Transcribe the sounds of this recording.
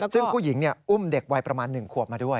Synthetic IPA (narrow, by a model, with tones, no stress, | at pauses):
sɯ˥˩ŋpʰuː˥˩ji˩˦ŋni˥˩ɐʔu˥˩mde˨˩k̚wa˧jpɾa˧maː˧nːɯ˨˩ŋkʰu˨˩əp̚maː˧du˥˩əj